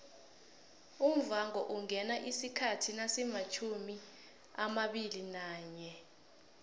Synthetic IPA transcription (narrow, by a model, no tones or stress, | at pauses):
um̩vaŋɔʔuŋɛnaʔisikʰatʰinasɛmat͡ʃʰumi | amaɓilinaːɲɛ